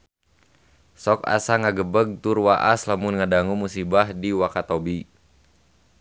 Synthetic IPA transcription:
sɔka̰saŋaɡəbəɡ̚t̪urwaʔaslamunŋadaŋumusibahdiwakat̪obi

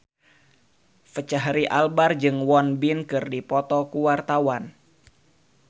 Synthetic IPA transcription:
fət͡ʃaɦɾiʔalbard͡ʒɨŋwɔnbinkɨrdipɔt̪ɔkuwart̪awan

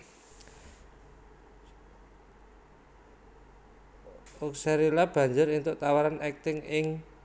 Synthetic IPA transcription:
uksaɾilab̥ä̤ɲd͡ʒʊɾint̪ʊʔt̪awaɾanɛk̚t̪ɪŋɪŋ

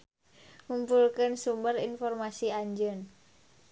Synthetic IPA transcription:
ŋumpulkənsumbərinfɔrmasiaɲd͡ʒən

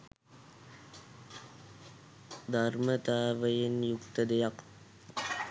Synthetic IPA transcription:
d̪ʱarmət̪aːʋəjenjukt̪əd̪ejak

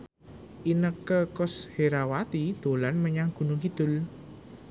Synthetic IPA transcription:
ʔinəkːəkʊsheɾawat̪id̪̥o̤lanməɲaŋɡ̥ṳnukid̪̥ʊ̤l

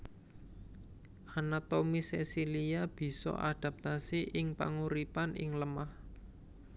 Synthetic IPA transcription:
ʔanat̪omisesiliab̥i̤sɔ̰ʔa̰d̪̥a̤p̚t̪asiʔɪŋpa̰ŋuɾipanɪŋləmah

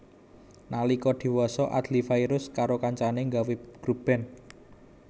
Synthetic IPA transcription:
nalikɔd̪̥i̤wɔsɔʔa̰d̪̥lifaiɾʊskaɾokaɲt͡ʃaneŋɡaweɡ̥ɾub̥ɛ̤n

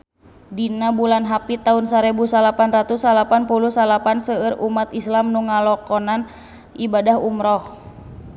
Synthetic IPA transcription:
dinabulanɦapit̪aunsaɾɛbusalapanrat̪usalapanpuluhsalapansəɨrumat̪islamnuŋalɔkɔnan | ibadahumɾɔh

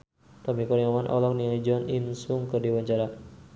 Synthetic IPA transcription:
t̪amikɔniamanʔɔ̰lɔk̚niad͡ʒɔninsuŋkərdiwaɲt͡ʃaɾa

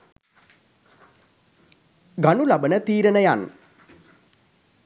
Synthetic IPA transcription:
ɡanulabənət̪iːɾənəjan

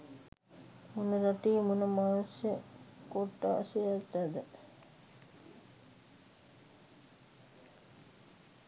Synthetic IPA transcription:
munəɾaʈiːmunəmaːnsjəkoʈːa̰sejat̪ːæd̪ə

